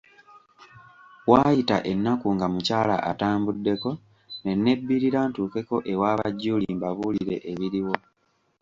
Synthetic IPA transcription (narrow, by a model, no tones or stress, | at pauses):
waːjita̰ʔe̞nːakuŋɡamucaːla̰ʔataːmbudːe̞ko̞ | ne̞nːe̞bːiɾiɾaːntuːke̞ko̞ʔe̞waːβa̰ɟːuːlimbaβuliɾe̞̰ʔːβiɾiwo̞